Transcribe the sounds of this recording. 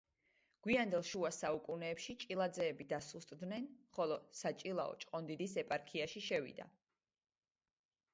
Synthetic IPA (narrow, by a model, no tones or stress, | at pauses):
ɡ̥wiand̪ɛlˠʃuasaukʼunɛːpʃit͡ʃʼilˠad̪zɛːbid̪asust̪ʼd̪nɛnχɔlˠɔsat͡ʃʼilˠaɔ̰t͡ʃʼqʼɔnd̪id̪isɛpʼaɾkʰiaʃiʃɛvḭd̪a̰